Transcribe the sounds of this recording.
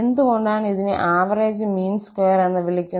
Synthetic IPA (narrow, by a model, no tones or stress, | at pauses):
end̪uɣo̞ɳɖaːɳiðinɨ̰ʔaːʋɐreːd͡ʑɨmiːnskeːɾenːɐʋiɭikʲːu